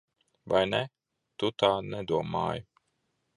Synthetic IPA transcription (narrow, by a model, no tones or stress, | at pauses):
vajnɛ | t̪ut̪aːnɛd̪uɔmːa̰ːj